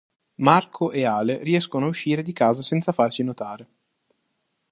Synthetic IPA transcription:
markʰoʔeaːleriɛskonoauʃːiːɾed̪ikaːzasɛnt̪safarsinot̪aːɾe

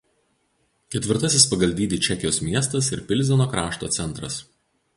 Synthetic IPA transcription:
kʲɛt̪ʲʋʲɪɾt̪ɐsʲɪspɐɡɐlʲd̪ʲiːd̪ʲiːt͡ʃʲɛkʲɪjoːsmʲiɛst̪ɐsɪɾpʲɪlʲˑzʲɛnoːkɾɑːʃt̪o̰ːt̪sʲɛnˑt̪ɾɐs

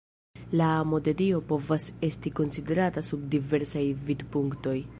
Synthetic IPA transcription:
lamo̞de̞dio̞po̞vase̞stiko̞nside̞ɾatasubdive̞ɾsajvidpuŋkto̞j

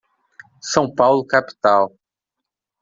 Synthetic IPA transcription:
sɐ̃w̃pawlʊkapi̥t̪aw

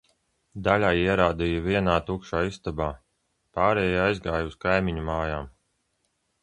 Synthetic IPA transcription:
d̪alʲaːiɛɾaːd̪ijuviɛnaːt̪ukʃaːist̪abaː | paːɾɛːjaajzɡaːjuskajmiɲumaːjaːm

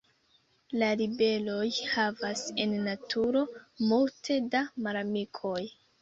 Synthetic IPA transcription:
laɾibe̞lo̞jhavase̞nːatʰuɾo̞multʰe̞damaɾamikʰo̞j

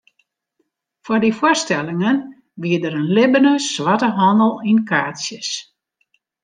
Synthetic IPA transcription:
fɔdifwʊstɛlɪŋən | ʋiədəɾənlɪbənəsʋatəɦɔndəlˠinkʰaːtsjəs

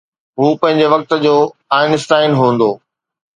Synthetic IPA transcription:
ɦuːpɐ̃ɦɪ̃ɲ̆d͡ʑeʋɐk̚t̪ə̆d͡ʑoːaːɪnɪsʈaːɪnɦũːnd̪oː

